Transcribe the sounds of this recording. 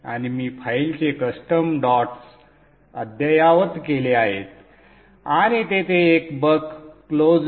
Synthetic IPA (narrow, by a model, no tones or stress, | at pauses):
a̰ɽ̃imiːfʰailt͡ɕekəsʈəmɖɔʈs | əd̪ʱjajaʋət̪keleaɦet̪ | aɽ̃it̪et̪eːkbəkːlod͡z